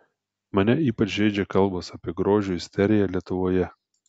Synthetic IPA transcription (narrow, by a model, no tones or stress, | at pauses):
mɐnʲɛiːpɐt͡ʃʲʒʲɛɪd͡ʒʲɛkɐlˠˑboːsɐpʲiɛɡɾoːʒʲʊːɪsʲt̪ʲɛɾʲɪjɛlʲiɛt̪ʊʋoːjɛ